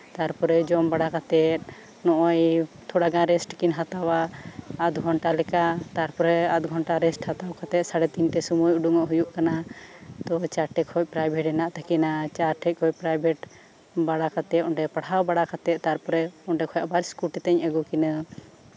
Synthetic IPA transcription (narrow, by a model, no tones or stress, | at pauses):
t̪aɾpɔɾɛd͡ʒɔmbaɽakat̪ɛt̪̚ | nɔʔɔjt̪ʰɔɽaɡãɾɛsʈkinɦat̪awaːd̪ɡʱɔɳʈalɛkat̪aɾpɔɾɛat̪̚ɡʱɔɳʈaɾɛsʈhat̪awkat̪ɛt̪̚saɽɛt̪inʈɛsɔmujuɖuŋɔʔɦujuʔkanat̪ɔt͡ʃaɾʈɛkʰɔc̚pɾajbʱɛʈɛnaʔt̪ʰakɛnat͡ʃaɾʈʰɛc̚kʰɔcpɾajbʱɛʈ | baɽakat̪ɛt̪ɔɳɖɛpaɽɦawbaɽakat̪ɛt̪̚t̪aɾpɔɾɛɔɳɖɛkʰɔjaʔbaɾskuʈɛt̪ɛɲəɡukinə